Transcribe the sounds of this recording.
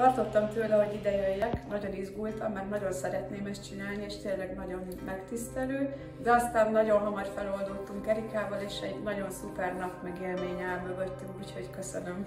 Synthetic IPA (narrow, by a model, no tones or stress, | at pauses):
t̪ɒrt̪o̞t̪ːɒmt̪øːlɛɦo̞ɟid̪ɛjøjːɛknɒɟo̞nizɡujt̪ɒmːɛɾnɒɟo̞nsɛɾɛt̪neːmɛst̪t͡ʃinaːlnieːʃt̪eːlɛɡnɒɟo̞nmɛkt̪ist̪ɛløː | d̪ɛɒst̪aːnːɒɟo̞nɦomɒrfɛlo̞ld̪ut̪ːuŋkɛɾikaːvɒleːʃɛɟnɒɟo̞nsupɛrnɒpmɛɡeːlmeːɲɛːlmøɡøt̪ːyŋkuːcho̞ckøsønøm